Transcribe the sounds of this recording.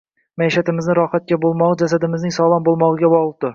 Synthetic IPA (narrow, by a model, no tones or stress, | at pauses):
maiʃat̪ɪmɪznɪɾɒχat̪̚kʲabolˠmɒʁɨd͡ʒasad̪ɪmɪznɪŋsɒlˠɑmbolˠmɒʁɨɡʲabɒʁˠd̪ʊ